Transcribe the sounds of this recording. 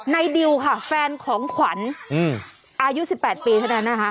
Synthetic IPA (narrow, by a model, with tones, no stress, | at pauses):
na˧jdi˧wkʰa˥˩fɛː˧nkʰɔː˩˦ŋkʰwa˩˦nː˧˨˩ | ʔaː˧ju˦˥si˨˩pːɛː˨˩t̪̚piː˧t̪ʰa˥˩na˦˥nːa˦˥kʰa˦˥ʔ